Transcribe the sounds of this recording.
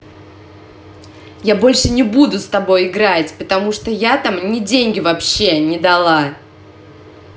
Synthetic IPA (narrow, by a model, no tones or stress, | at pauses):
jabo̞lʲʂɨnʲɪbud̪ʊst̪ɐbo̞jɪɡɾatʲpət̪ɐmuʂt̪ojat̪amnʲɪdʲenʲɡʲɪvɐpɕːenʲɪd̪ɐlˠa